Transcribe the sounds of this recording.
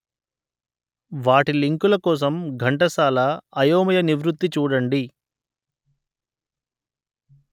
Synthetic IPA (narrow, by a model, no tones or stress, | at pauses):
ʋaːʈiliŋkulɐkɔːs̬ɐmɡʱɐɳʈɐsaːlɐɐjoːmɐjɐniʋɾut̪ːit͡ʃuːɽɐɳɖi